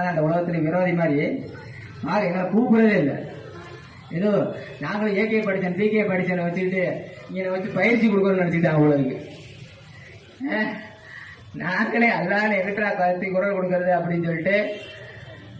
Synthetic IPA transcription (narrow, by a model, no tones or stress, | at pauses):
aːɐnd̪ɐʊɭɐɣɐt̪ːɪleʋɪɾɐʋaːðimaːɾɾi | maːɾɐɛnːaːkuːpːɯɾɐðɯld̪ɐ̰ | ɪðo | naːŋɡɐɭɯ̃eːkːepɐɽɪt͡ʃːɐnpiːkːejpɐɽɪt͡ʃːɐnɯʋɐt͡ʃːɯkɪʈːɯɪŋɡeːnaːɐʋɐt͡ʃːɯpɐjɪɾt͡ʃːikɔɽɯkːɐnõnɐɽɐt͡ʃːɯkɪʈːaːŋːʊɭːɐðɯkːɯ | naːŋɡɐɭeːɐlːaːlɛkɐʈːɾaːkaðɐt̪ːikʊɾɐlkɔɽɯk̬ːɯɾɐðɯɐpːɐɽɪnːsɔlːɪʈːɯ